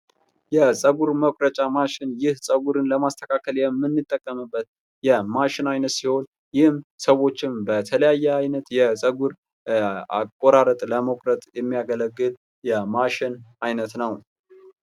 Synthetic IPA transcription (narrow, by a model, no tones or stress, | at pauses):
jɛsʼəɡuɾməkʷʼɾət͡ʃʼamaʃɪnjɪhsʼəɡuɾɨnləmast̪ʰə̥kʰakʰəljɛmːɨnːɨt̪ʼːəkʼːəmɨbːət̪̚ | jɛmaʃɪnajnət̪siho̞n | jɪhmsəwo̞t͡ʃːɪnbət̪ʰələjajːɛajnət̪jɛsʼəɡuɾ | a̰kʼːoɾaɾət̪ʼləməkʷʼɾət̪ʼjɛmːijaɡələɡːɨl | jɛmaʃɪnajnət̪nəw